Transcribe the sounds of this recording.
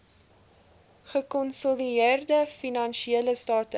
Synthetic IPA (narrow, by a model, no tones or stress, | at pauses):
χəkɔnsɔlierdəfinɑnʃieələstɑːtə